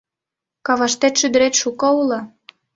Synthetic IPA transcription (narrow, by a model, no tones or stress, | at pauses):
kɑβɑʃt̪et̪ʃyd̪ə̆ɾet̪ʃukoulɤ